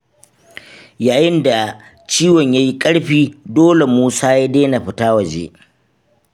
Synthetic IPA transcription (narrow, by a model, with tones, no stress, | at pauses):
jaː˨jɪ˦nda˨ | t͡ʃiː˦wɔ˨ɲja˦ji˦kʼɐ˦ɽɸiː˦doː˦le˨muː˦saː˦ja˦deː˦na˨ɸɪ˦taː˦wɐ˨d͡ʒḛ˦